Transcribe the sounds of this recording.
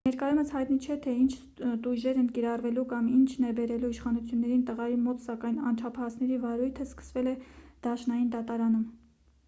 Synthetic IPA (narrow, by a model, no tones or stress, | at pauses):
nɛɾkɑjuməshɑjt̪nit͡ʃʰɛt̪ʰɛint͡ʃʰ | t̪uʒɛɾɛnkiɾɑrvɛlukɑmint͡ʃʰnɛbɛɾɛluiʃχɑnut͡sʰjunːɛɾint̪əʁɑjimɔt̪sɑkɑjnɑ̰nt͡ʃʰɑpʰɑhɑsnɛɾivɑɾujt̪ʰəskə̥svɛlɛd̪̥ɑʃnɑjind̪ɑt̪ɑɾɑnum